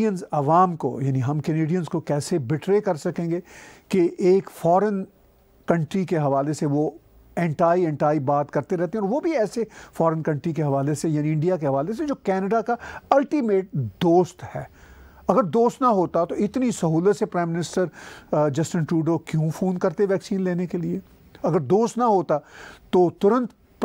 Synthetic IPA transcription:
ənzɐʋaːmko̰jaːniɦɐmkɐneːɖijənskokɛːsebɪʈɾekɐɾsɐkẽːŋɡekeʔeːkfɔːɾən | kɐ̃ɳʈɾikeɦɐʋaːleseʋo | ɛ̃ːɳʈaːiɛ̃ːɳʈaːibaːt̪kɐɾt̪eɾɛɦt̪eɦɛ̃ɔːɾʋobʱiɛːsefɔːɾənkɐ̃ɳʈɾikeɦɐʋaːlesejaːniɪ̃ɳɖijakeɦɐʋaːles̬ed͡ʒoːkɛːnəɖakaɐlʈimeːʈ̚d̪oːst̪hɛː | ɐɡəɾd̪oːst̪nɐɦoːt̪at̪oɪt̪nisɐɦuːlət̪sepɾaːɪmːɪnɪsʈəɾd͡ʒɐsʈə̃nʈuːɖokjũfʰõːnkɐɾt̪eʋɛːksiːnleːnekelie | ɐɡəɾd̪oːst̪nɐɦoːt̪at̪ot̪ʊɾə̃nt̪ | p

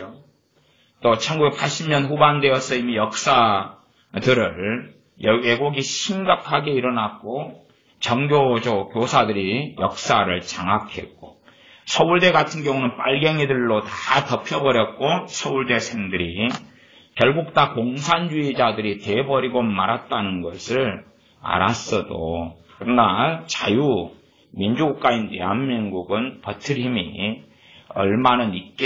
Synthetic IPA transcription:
o | t͈ot͡ɕʰʌnɡubek̚pʰaɭɕ͈imɲʌnɸubandwe̞ʌsʰʌimijʌk̚s͈a | dɯɾɯɭ | eɡoɡiɕʰimɡakʰaɡe̞iɾʌnak͈o | t͡ɕʌŋɡjod͡ʑokjosʰadɯɾijʌk̚s͈aɾɯɭt͡ɕaŋakʰe̞̰k̚k͈o | sʰʌuɭde̞ɡatʰɯnɡjʌŋunɯnp͈aɭɡjʌŋidɯɭːotatʌpʰjʌbʌɾjʌt̚k͈osʰʌuɭde̞sʰeŋdɯɾi | kjʌɭɡuk̚t͈akoŋsʰand͡ʑuid͡ʑadɯɾitebʌɾiɡomaɾɦat̚t͈anɯnɡʌsʰɯɭ | a̰ɾas͈ʌdo̰ | kɯɾʌnat͡ɕaju | mind͡ʑuɡuk̚k͈ainteanmiŋɡuɡɯnpʌtʰɯɾɦimḭ | ʌɭmanɯnik͈e

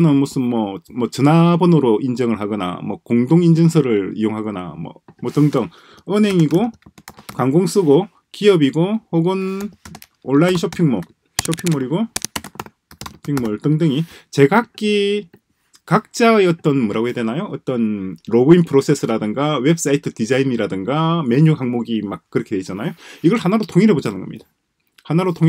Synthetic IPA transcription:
nɯnmos͈ɯnmʌmwʌt͡ɕɯnabonɯɾoʔind͡ʑʌŋɯɭɦaɡʌna̰mwʌkoŋdoŋind͡ʑʌnsʰʌɾɯɾḭjoŋɦaɡʌna̰mwʌ̰ | mwʌtɯŋdɯŋ | ɯnɦe̞ŋiɡokwaŋɡoŋs͈ɯɡo | kiʌbiɡohoɡɯn | oɭːainɕʰopʰiŋmo | ɕʰopʰiŋmoɾiɡo | pʰiŋmoɭtɯŋdɯŋit͡ɕe̞ɡak̚k͈i | kak̚t͡ɕ͈aeʌt͈ʌnmuɾaedenajoʌt͈ʌnɾobinpʰɯɾosʰe̞sʰɯɾadɯŋɡawe̞bɯs͈aitʰɯtid͡ʑainiɾadɯŋɡame̞ɲuɦaŋmoɡimak̚k͈ɯɾʌkʰedwe̞it͡ɕ͈anajoiɡʌɭanaɾotʰoŋiɾe̞bod͡ʑanɯnɡʌmɲḭd̥ḁ | hanaɾotʰoŋ

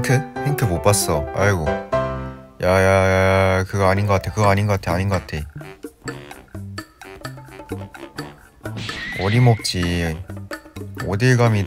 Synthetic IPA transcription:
tʰɯɸʰiŋtʰɯmop͈as͈ʌaɭɡo | jaja | kɯɡaaɲinŋɡʌkatʰe̞kɯɡaaɲinŋɡʌk͈atʰeaɲiŋɡʌk͈atʰe | ʌɾimʌp̚t͡ɕ͈i | odeɡami

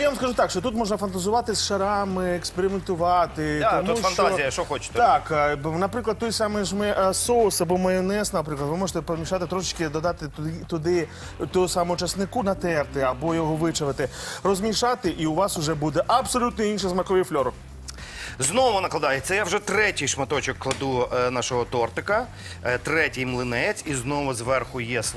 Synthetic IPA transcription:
jaʋɐmskɐʒut̪ɑkʃt͡ʃɔt̪ut̪mɔʒnɐfɐnt̪ɐzʊʋɑt̪ɪsʃɐɾɑmɪekspeɾʲɪment̪ʊʋɑt̪ɪt̪ɔmufɐt̪azɔijɐʃt͡ʃɔxɔt͡ʃɪ̥t̪t̪ɑknɐpɾɪklˠɐd̪̚t̪ːɔjsɑmɪʒmɛsɔwˠsɐbɔmɐjɔnɛsnɐnɐp̬ɾɪklˠɐd̪ʋɪmɔʒet̪ɛpɔmʲiʃɑt̪ɪt̪ɾɔʃɪt͡ʃkɪd̪ɔd̪ɑt̪ɪt̪ʊd̪ɪ | t̪ɔsɑmoʊt͡ʃɐsnɪkunɐt̪ɛrt̪ɪɐbɔjɔɦɔʋɪt͡ʃɔʋɪt̪ɪrɔzmʲiʃɑt̪ɪʔiʊʋɑsʊʒɛbud̪ɛʔɐbsɔlʲut̪nɔinʃɛzmɐkɔʋʲiflʲɔɾʊ | znɔɔmʊnɐklˠɐd̪ɑjet̪sʲɐjawʒɛt̪ɾɛtʲijʃmɐt̪ɔt͡ʃɪkːlˠɐd̪unɑʃɔɦɔt̪ɔrt̪ɪkɐ | t̪ɾɛtʲijmlˠɪnɛt͡sʲiznɔʋʊzʋɛrxʊjɛs

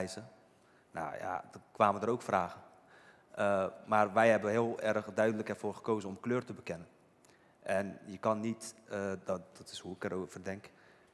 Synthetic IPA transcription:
jzə | na̰ja̰kʋaːməndəɾowkfraːɣə | əmarʋɛjɦɛbənɦɪːəlˠɛrxdœɥdələkɛrfoːrχə̥koːzənɔmkløːrtəbəkɪnən | ʔɛnjəkɑnːitədd̥ɔtɪ̥shuɪkərovərdɛŋk

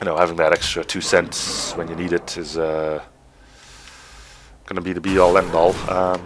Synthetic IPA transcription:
jɨnoʊhævɪ̃ŋðɨɾɛkstɹ̥ɨtʰʉsɛ̃ntswə̃njɨniɾɪtɪzʌ | ɡ̥ʌnəbiɾɨbiɔlˠɛ̃ndɔlˠʌ̃m

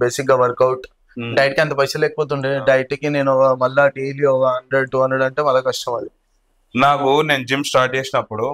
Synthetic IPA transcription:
beːsikɡaːʋɐɾkɐwʈ | ɖɐjʈkiɐnt̪̬ɐpɐsɐlɛːkɐpoːt̪̬uɳɖiɖɐjʈkineːnumɐlːaːʈeːliɔɐɳɖɐʈuɦɐnːɐɽɐɳʈeːmɐlːaːkɐʂʈɐmɐd̪i | naːkune̞ːnud͡ʒimsʈaːɾʈ̚t͡ʃeːsinɐpːuɽu

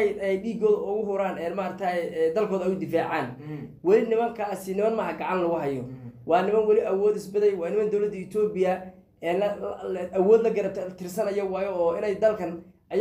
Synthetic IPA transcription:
jd̪ɛjɖiːɡɔːðɐʊɣʊɦʊɾaːnɛːnmaːɾɐkt̪ʰaɛd̪ɐlkʰɔːðɐjʊd̪ɪfaːʕaːnwɑlɪnɪmɐŋkʰɐsɪnɪmɐnmɐːɦɐɡɑʕɑnlɐɣʊɦɐjɔwɑːnɪmɐnwɑlɪʔɐwɔːd̪ɪsbɪðɛjwɑːnɪmɐnd̪ɔwlɐd̪ːɐɪt̪ʰɔːbɪjɐ | ɛː | ʔɐwɔːd̪lɐɡɐɾt̪ʰɪrsɐnɐjɔwɑːjɔːɪnɛjd̪ɐlkʰɐnʔɐj

